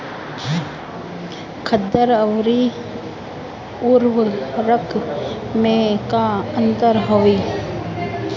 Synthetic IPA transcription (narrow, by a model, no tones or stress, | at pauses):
kʰəd̪ːəɾəʋɾi | uɾʊlɾəkʰmẽkaənt̪əɾɦoʋiː